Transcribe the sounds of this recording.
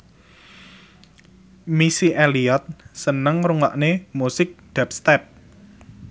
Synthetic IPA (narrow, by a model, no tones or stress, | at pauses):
misiʔeliɔt̪̚sənəŋruŋwaʔnemusɪk̚d̪̥ɛp̚st̪ɛp̚